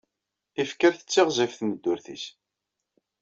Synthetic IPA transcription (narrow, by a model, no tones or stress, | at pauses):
ifkəɾθə̥t͡sːɪʁzˤɪfθməd̪ːʊɾθḭs